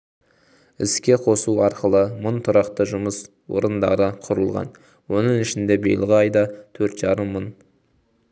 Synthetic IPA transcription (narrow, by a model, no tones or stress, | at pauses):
ɪ̰skʲe̞qʰo̞suɑɾqəlˠəmʊnt̪ʰʊɾɑqt̪əʒʊməs | wo̞̰ɾənd̪ɑ̰ɾəqʰʊɾəlˠʁɑ̰n | wo̞nəɴɪʃɪnd̪e̞bejlˠʁəɑjd̪ɑt̪ʰɵɾt̪ʒ̥ɑɾəmːʊn